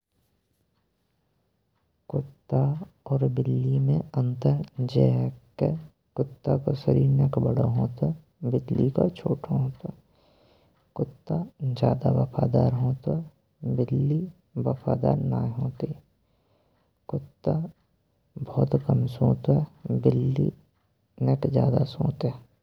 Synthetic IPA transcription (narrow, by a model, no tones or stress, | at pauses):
kʊt̪ːaɔːɾbɪlːimẽə̃nt̪əɾd͡ʒɛɦkːe | kʊt̪ːakosəɾiːɾnəkbəɽaɦoːt̪a | bɪd̪lika̰t͡ʃʰoːʈʰaɦõːt̪o | kʊt̪ːad͡ʒjaːd̪aʋəpʰaːd̪aːɾɦõːt̪a | bɪlːi | ʋəpʰa̰ːd̪a̰ːɾna̰ːɦoːt̪i | kʊt̪ːa | bɔːt̪kəmsõːt̪ɛbɪlːḭ | nekd͡ʒjaːd̪asõːt̪ː